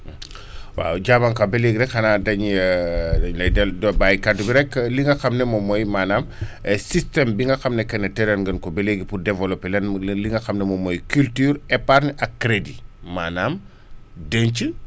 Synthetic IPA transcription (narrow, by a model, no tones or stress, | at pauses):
wa̰ɟabankɐbeleɡiɾɛkhɐnadɐɲ | lɐjdɛldbajkadubiɾɛkːliŋɡɐxɐmnɛmɔmɔjmaːnamsistɛmbiŋɡɐxɐmnɛkɛnːɛtɛɾɛnɡənkɔbeleɡipudɛvɔlɔpːɛlɛnliŋɡɐxamnɛmɔmɔjkyltyːɾɛpaɾnʔɐkːɾedimaːnaːm | dəɲt͡ʃə